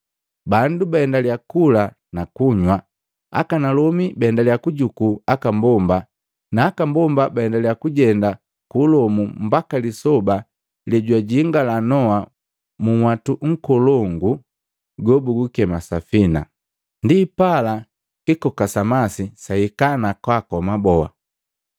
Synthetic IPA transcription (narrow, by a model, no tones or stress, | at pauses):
bandubaɛndaljakula | nakuɲwa | a̰kanalɔmibaɛndaljakuɟukuakambɔmba | naːkambɔmbabaɛndaliakuɟɛnda | kulɔmum̩bakalisɔba | lɛɟwaɟiŋɡalanɔwa | muwatuŋ̩kɔlɔŋɡu | ɡɔbuɡukɛmasafina̰ | ndipala | kikɔkasamasisaikanakwakɔmabɔa̰